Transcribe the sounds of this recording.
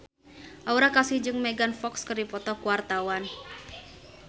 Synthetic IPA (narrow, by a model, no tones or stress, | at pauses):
ʔauɾakasihd͡ʒɨŋmeɡanfɔkskərdipɔt̪ɔkuwart̪awan